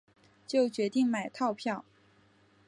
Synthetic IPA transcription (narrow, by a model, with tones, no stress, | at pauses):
t͡ɕjo˥˩ʊt͡ɕɥɛ˧˥t̪i˥˩ŋma˨˩ɪt̪ʰɑ˥˧ʊpʰjɑ˥˩ʊ